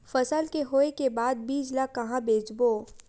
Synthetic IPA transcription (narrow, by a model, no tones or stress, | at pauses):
fɐsəlkeɦoːekebaːd̪̚biːd͡ʒlakɐɦãbeːd͡ʒboː